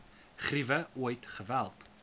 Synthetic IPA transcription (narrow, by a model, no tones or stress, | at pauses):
χrivəuəjtχəvælˠt